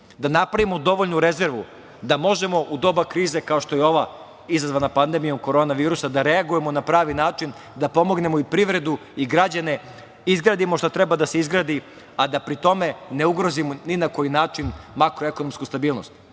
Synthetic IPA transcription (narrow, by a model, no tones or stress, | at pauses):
d̪anapɾaʋimo̞d̪o̞ʋoʎnuɾe̞ze̞ɾʋu | d̪amo̞ʒe̞mo̞ʔud̪o̞ːbakɾiːze̞kao̞ʃt̪ojeo̞ʋa | izazʋanapand̪emijo̞mko̞ɾo̞naʋiːɾusad̪aɾeaɡuje̞mo̞napɾaːʋinaːt͡ʃin | d̪apo̞mo̞ɡne̞moipɾiʋɾe̞d̪uiɡɾad͡ʑane̞ | izɡɾaːd̪imo̞ʃt̪at̪ɾe̞bad̪ase̞izɡɾaːd̪i | ad̪apɾit̪o̞me̞ne̞uɡɾo̞zimoninako̞jinaːt͡ʃinmakɾo̞eko̞nomskust̪abiːlˠnost̪